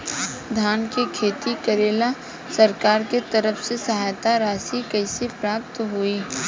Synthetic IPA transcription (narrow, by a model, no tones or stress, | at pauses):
d̪ʱaːnkikʰeːt̪ikɐɾeːla | sɐɾkaːɾket̪ɐɾəfsesɐɦaːjt̪aɾaːsikɐɪsipɾaːp̚t̪ɦoiː